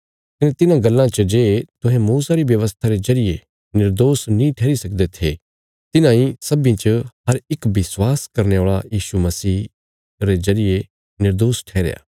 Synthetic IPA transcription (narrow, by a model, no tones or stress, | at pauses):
kɐnẽt̪ɪnãɡɐlːãt͡ʃəd͡ʒeːt̪ʊɦɛ̃muːsaɾibjɐʋəst̪ʰaɾezɐɾɪje | nɪɾd̪oːsnĩʈʰɛːɾisɐk̚d̪et̪ʰe | t̪ɪnãĩsɐbĩt͡ʃəɦɐɾɪkbɪswaːskɐɾneoːɭajiːʃumɐsiː | ɾezɐɾɪje | nɪɾd̪oːsʈʰɛːɾḛja̰ː